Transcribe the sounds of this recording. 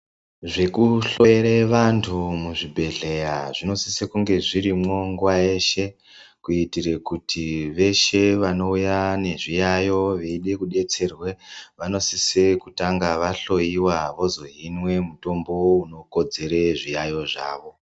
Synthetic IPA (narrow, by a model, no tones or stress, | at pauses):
ʐe̞kuɬo̞jeɾeʋantʰumuʐibʱe̞ɮe̞jaʐino̞sisekuŋɡe̞ʐiɾimwo̞ŋɡuwaeʃe̞ | kuitirekutʰiʋe̞ʃe̞ʋano̞ujane̞ʐijajo̞ʋeiɗe̞kuɗe̞t͡se̞rwe̞ʋano̞sisekutaŋɡaʋaɬo̞iwaʋo̞zo̞ɦinwe̞muto̞mbo̞uno̞kod͡ze̞ɾeʐijajo̞ʐa̰ːʋo̞